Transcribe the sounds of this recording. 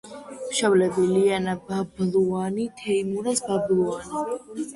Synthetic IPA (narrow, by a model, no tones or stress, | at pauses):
mʃavlɛbilianabablˠuanit̪ʰɛimuɾasbablˠuani